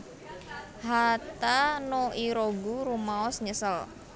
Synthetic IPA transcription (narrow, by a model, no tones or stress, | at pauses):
hat̪anoʔiɾoɡuɾumaɔsɲəsəl